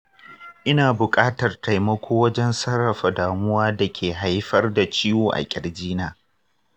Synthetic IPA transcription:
ʔɪ˦naː˨bʊ˨kʼaː˦tɐ˨rta˨jmɐ˦kʷoː˦wɐ˦d͡ʒɛ˦nsɐ˦ɽːɐ˨ɸa˨daː˨mʊ˦waː˦da˨kʲʰeː˨ɦa˦jɸɐ˦rda˨t͡ʃɪ˦joː˨ʔa̰˨kʲʼɪ˨ɽd͡ʒiː˦naː˨

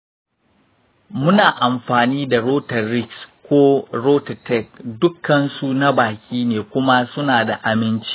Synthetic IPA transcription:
mʊ˦naː˨ʔa˨mɸaː˨niː˦da˨ɾoː˦tɐ˨rːɪ˦kskʷoː˦ɾoː˦ta˨tɛ˦˨k̚dʊ˦kːɐ˨nsu˦na˦baː˨kʲiː˦neː˨kʷʊ˦ma˦sʊ˦naː˨da˨ʔa˨mɪ˦nt͡ʃi̥˦

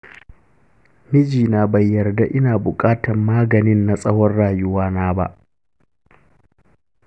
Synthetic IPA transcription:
mɪ˦d͡ʒiː˨naː˦bɐ˨jːɐ˨rda˦ʔɪ˦naː˨bʊ˨kʼaː˦tʰɐ˨mːaː˦ɡɐ˨nɪ˦nːa˨sʼɐ˦wɔ˦rɽaː˨jʊ˦waː˦naː˦ba̰˦ʔ

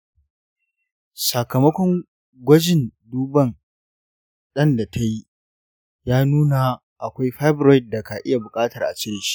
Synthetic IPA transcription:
sa˨kɐ˨mɐ˦kʷɔ˦ŋ | ɡʷɐ˦d͡ʒɪ˨nduː˦bɐ˦n | ɗɐ˦nda˨tʰa˦ji˦ | jaː˦nuː˦na˨ | ʔa˨kʷa˦jɸa˦jbɾɔ˦jɪ˨dːa˨ka˨ʔɪ˦ja˨bʊ˨kʼaː˦tɐ˨rʔa̰˨t͡ʃɪ˦ɽɪ˨ʃi̥˦

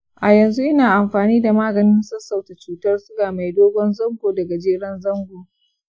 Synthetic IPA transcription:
ʔa˨jɐ˨nzu˦ʔɪ˦naː˨ʔa˨mɸaː˨niː˦da˨maː˦ɡɐ˨nɪ˦nsɐ˦sa˨wta˨t͡ʃuː˨tɐ˦rsʊ˦ɡaː˨ma˨jdoː˦ɡʷɔ˦nzɐ˦ŋɡʷoː˨dɐ˨ɡa˨d͡ʒeː˦ɽɐ˦nzɐ˦ŋɡʷoː˨

